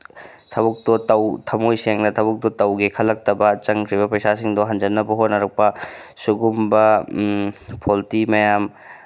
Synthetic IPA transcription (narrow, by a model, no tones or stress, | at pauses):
tʰɐbuk̚t̪ɔtɐwt̪ʰɐmojseŋnɐt̪ʰɐbuk̚tɔtɐwɡekʰɐlːɐk̚tɐbɐt͡ʃɐŋkʰɾiβɐpɾɐjsasiŋdɔɦɐnd͡ʒɐnːɐbɐɦonɐɾɐk̚pɐsuɡumbɐ | pʰoltimɐjam